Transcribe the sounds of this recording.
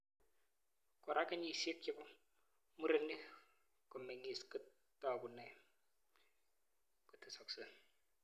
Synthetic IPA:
kɔ˨ɾʔa˨˦ka˦ɲi˦˨se˦ki˦ku˦ | mu˦ɾe˦ni˦ | kɔ˨me˨ŋi˨skɨ˦ | tɔ˦˨ku˨ne˨ | ku˦tʰɨ˨sɔ˨k̚sɨ˦

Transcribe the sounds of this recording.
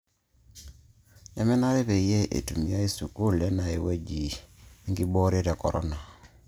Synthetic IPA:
ja˦mɛ˦na˦ɾe˦βe˨i˦je˦ʔḛ˨tu˨mi˨˦a˦i˦su˨ku˦lɛ˦na˨e˨we˦d͡ʒi˨˦ŋɡi˦bɔ˦ɾe˦ɾa˨kɔ˨ɾɔ̰˦na˨

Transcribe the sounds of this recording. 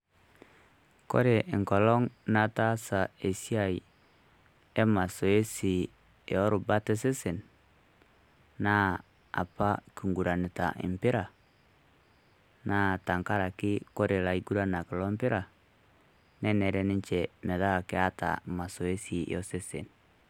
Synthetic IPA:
ko̰˦ɾe˨ʔŋkɔ˨lɔ˦ŋna˨ta˦sa˨e˨si˦a˨i˨ | e˦ma˨so˨e˦si˨ | o˦ɾu˨ba˦te˦si˦si˨n | na˦ | a̰˨pa˦ki˨ŋɡu˨ɾa˨ni˨ta̰˨ḭ˨mpi˦ɾa˨ | na˦˨ta˨ŋka˦ɾa˨ki˦ko˦ɾe˨la˨i˨ɡu˦ɾa˦na˨ki˨lo˦mpi˦ɾa˨ | nɛ˦ne˨ɾɛ˨ni˦ɲt͡ʃɛ˨me˨ða˦˨ki˦a˦ta̰˨ma˨so˨e˦sḭ˨o˦si˦sḭ˨n

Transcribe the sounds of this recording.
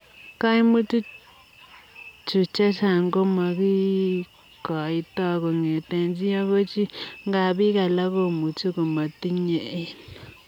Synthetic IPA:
ka˦i˦mu˦tu˦ | t͡ʃu˨t͡ʃa˦t͡ʃa˨ŋɡo˦ma˨ki˦ | kɔ˨i˦tɔ˦ko˨ŋe˨te˨nd͡ʒi˦ja˦ko˦t͡ʃi˦ŋɡa˨bi˦ka˨la˦ko˨mu˨tu˦ko˨ma˨ti˦ɲe˨i˨n

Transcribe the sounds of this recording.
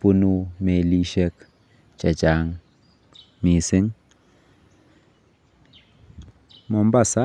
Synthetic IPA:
pu˦nu˦me˨li˦ʃɛ˧k | t͡ʃa˨d͡ʒa˨ŋ | mi˨si˦ŋ | mɔ˨mba˦˨sa˦

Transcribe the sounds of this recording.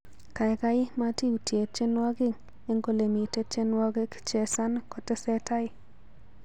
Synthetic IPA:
ka˨ɪ˨ka˦ɪ˦ma˦ti˦u˨tje˨t͡ʃe˦nwa˦ɡɪ˦ŋ | e˦ŋɡo˦le˨mi˨te˦t͡ʃe˦nwa˦ɡe˦kt͡ʃɛ˨sa˦nkɔ˨te˦sɛ˦ta˦ɪ˦

